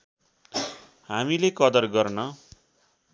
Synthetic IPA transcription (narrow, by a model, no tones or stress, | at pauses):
hamilekʌd̪ʌrɡʌrnʌ